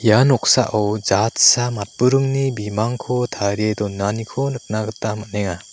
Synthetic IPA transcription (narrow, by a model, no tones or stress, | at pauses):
ijanɔk̚saʔawzatsamat̚bɯɾɯŋnibimaŋkʰɔtʰaɾedɔnanikʰɔnɯk̚naɡɯtamat̚neŋa